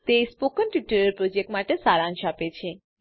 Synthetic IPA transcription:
t̪espokənʈiʈəɾeɾpɾod͡ʑek̚ʈmaʈesaɾanʃapet͡ɕʰe

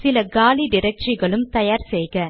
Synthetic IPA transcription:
sɪlɐɡaːliɖɪɾɛk̚t͡ʃiɣɐɭɯmt̪ɐjaːɾsɛjɣɐ

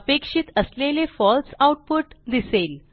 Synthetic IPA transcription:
pekʂit̪əslelefɔlsawʈ̚puʈd̪isel

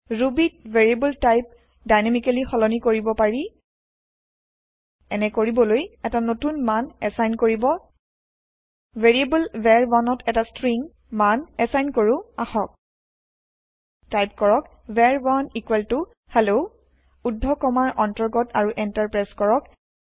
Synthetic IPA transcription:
ɹubit̚veɹiebultajp̚ | dajnamikalixɔlɔnikoɹibɔpaɹi | ɛnɛkoɹibɔlojɛtanotunmanɛsajnkoɹibɔ | veɹiebulvɛɹbanɔtʰɛtastɹiŋ | manɛsajnkoɹʊaxɔk̚ | tajp̚kɔɹɔk | vɛɹbanikwɛltʊ | hɛlo | udʱɔkɔmaɹʔɔntɔɹɡɔtaɹuʔɛntaɹpɹajskɔɹɔk

